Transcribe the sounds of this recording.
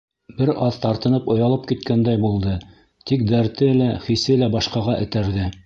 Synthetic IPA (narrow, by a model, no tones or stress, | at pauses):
bɘɾɑðt̪ɑɾt̪ɤ̆nɤpŏjɑlˠɤp̚kit̪kænd̪æjbulˠd̪ɤ | t̪ik̚d̪æɾt̪ɘlæχisɘlæbɑʃqɑʁɑʔɘ̆t̪æɾðɘ